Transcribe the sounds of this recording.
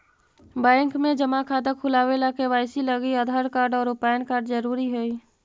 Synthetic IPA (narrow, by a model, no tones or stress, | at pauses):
bɛ̃ːŋkmẽd͡ʒəmakʰaːd̪əkʰʊlaːwelakebaːɪsiləɡiəd̪ʱaːɾkaːɾɖɔːɾʊpaːjənkaːɾɖzəɾuːɾiɦɛi